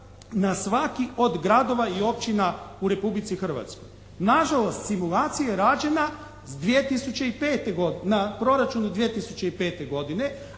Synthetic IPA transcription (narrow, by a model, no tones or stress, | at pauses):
nasʋakio̞d̪ɡɾad̪o̞ʋaio̞p̚t͡ɕinauɾe̞publit̪sixr̩ʋa̰t̪sko̞̰j | naʒalˠo̞st̪simulˠaːt̪sijajeɾaːd͡ʑe̞na | d̪ʋiet̪isut͡ʃe̞ipeːt̪e̞ɡod̪napɾo̞ɾat͡ʃunud̪ʋiet̪isut͡ɕeipe̞ːt̪e̞ɡo̞d̪ine̞